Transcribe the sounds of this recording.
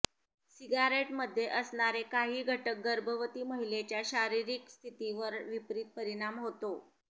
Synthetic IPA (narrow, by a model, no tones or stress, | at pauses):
siɡaɾeʈməd̪ʱːjeʔəsɳaɾekaɦiːɡʱəʈək̚ɡəɾbʱəʋət̪iːməɦilet͡ɕjaɕaɾiɾiːkst̪ʰit̪iʋəɾʋipɾiːt̪̚pəɾiɽ̃amɦot̪o